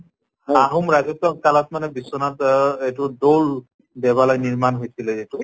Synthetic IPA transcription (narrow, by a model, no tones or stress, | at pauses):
aɦumɹazɔtːɔkkalɔt̚manɛbisɔnatetʊdol | bɛβalɔjniɹmanɦojsilɛzitʊ